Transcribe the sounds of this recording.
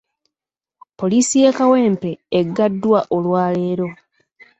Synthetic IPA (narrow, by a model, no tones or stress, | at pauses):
po̞liːsije̞kawe̞ːmpe̞ːɡːadːwaʔo̞lwaːle̞ːɾo̞